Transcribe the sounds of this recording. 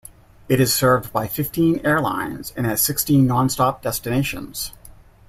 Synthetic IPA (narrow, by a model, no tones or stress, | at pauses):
ɨɾɨz̥sɜ˞vbaɪfɪftʰĩnɛɹlã̰ɪ̃nz̥ɨ̃nɨz̥sɪkstĩnːɑ̃nstɑp̚d̥ɛstɨneɪʃɨ̰̃nz̥